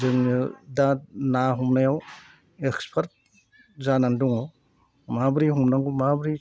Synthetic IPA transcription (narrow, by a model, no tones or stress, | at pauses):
zɯŋɯdanaɦumnajaw | ekspʰaɾt̚ | zananduŋɔw | mabɾihumnaŋɡumabɾi